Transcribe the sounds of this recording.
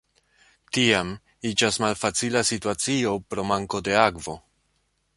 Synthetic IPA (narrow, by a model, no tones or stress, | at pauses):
tiam | id͡ʒasmalfat͡silasituat͡sio̞pɾo̞maŋko̞de̞akvo̞